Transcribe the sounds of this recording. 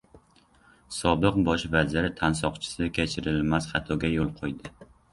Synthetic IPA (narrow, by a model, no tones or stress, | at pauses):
sɒbɨq̚bɒʃvazɪɾɪt̪ʰansɒqt͡ʃʰɪ̥sɪkʲʰet͡ʃʰɪɾɪlmasχɑt̪ʰɒɡʲajolˠqʰojd̪ɪ